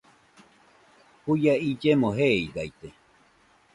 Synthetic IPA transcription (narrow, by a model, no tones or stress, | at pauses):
kujaid͡ʒemõɦeidajt̪e